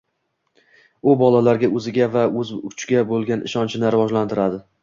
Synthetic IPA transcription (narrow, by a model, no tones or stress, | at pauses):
ʊbɒlalaɾɡʲaʔɵzɪɡʲavaɵzʊt͡ʃʰɡʲabolˠɡʲanɪ̰ʃɒnt͡ʃʰɪnɪɾɪvɒʒlant̪ʰɪɾad̪ɪ